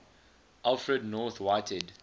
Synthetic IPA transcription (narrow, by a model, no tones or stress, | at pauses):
ʔalˠfɹədnɔθwaɪtʰəd